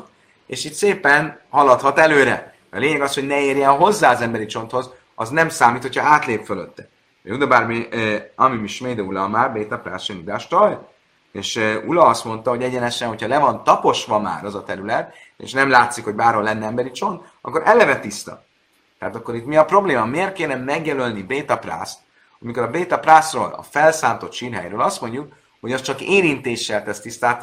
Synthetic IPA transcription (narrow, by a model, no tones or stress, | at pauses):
t̪ | eːʃiːt̪seːpɛnhɒlɒt̪hɒt̪ɛløːɾɛ̰ | mɛɒleːɲɛɡɒsho̞ɟnɛeːrjɛnɦo̞zːaːɒzɛmbɛɾit͡ʃo̞nt̪ho̞z | ɒznɛmsaːmiːt̪hocʰhɒaːt̪leːpføløt̪ːɛ̥ | jud̪ɒbarmiɒmimiʃmeːd̪ɛulɒmaːrbeːt̪ɒpɾa̰ːrʃɛnud̪aːʃt̪ɒl | eːʃulɒɒst̪mo̞nt̪ɒɦo̞ɟɛɟɛnɛʃɛnɦo̞cʰɒlɛvɒnt̪ɒpo̞ʃʋɒma̰ːɾɒzɒt̪ɛɾylɛt̪ | ḛʃnɛmlaːt̪sikho̞ɟbaːrho̞lːɛnːɛɛmbɛɾit͡ʃo̞n | ɒ̰kːo̞ɾʔɛlɛvɛt̪ist̪ɒ̰ | t̪ɛaːt̪ɒkːo̞ɾit̪miɒpro̞bleːmɒmeːrt̪̚keːnɛmːɛɡjɛlølnibeːt̪ɒpra̰st̪ | ɒmikoɾɒbeːt̪ɒprasro̰ːlɒ̰fɛlsaːnt̪o̞t̪ʃiːrɦɛ̰jɾøːlɒst̪mo̞ɲɟuk̚ | ho̞ɟɒst͡ʃɒkeːɾint̪eːʃːɛlt̪ɛst̪ist̪aːt̪